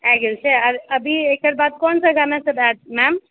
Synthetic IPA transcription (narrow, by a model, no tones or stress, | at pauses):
aɡelt͡ʃʰɛaɾəbʱiekəɾbad̪̚kɔnsəɡanasəbɛʈ̚mɛm